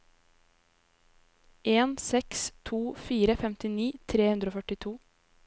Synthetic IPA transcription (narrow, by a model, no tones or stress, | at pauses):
ʔeːnsɛkst̪ʰuːfiːɾəfɛmt̪ɪniːt̪ʰɾeːhʉnd̪ɾoːfœʈɪt̪ʰuː